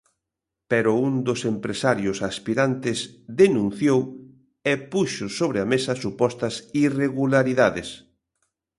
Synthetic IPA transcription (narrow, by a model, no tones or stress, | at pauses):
pɛɾʊund̪ʊsempɾesaɾjʊsaspiɾant̪ɪsðenũn̟θjow | ɛpuʃʊsoβɾɪamesɐsupɔst̪ɐsireɣulaɾiðaðɪs